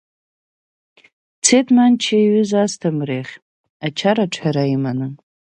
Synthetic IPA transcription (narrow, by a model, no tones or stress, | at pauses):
t͡sʰetʰmant͡ʃʰaɥʏzastʰamreχʲ | at͡ʃʰaɾaʈ͡ʂʷʰaɾaimanɨ